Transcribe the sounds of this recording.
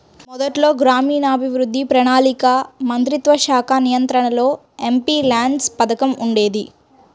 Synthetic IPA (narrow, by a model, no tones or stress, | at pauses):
mɔd̪ɐʈlo̞ːɡɾaːmiːnɐːbʱiʋɾud̪ʱːipɾɐɳaːlikɐmɐnt̪ɾit̪ʋɐʃaːkʰaːnijɐnt̪ɾɐɳɐlo̞ː | empiːlaːɳɖspɐd̪ɐkɐmuɳɖe̞ːd̪i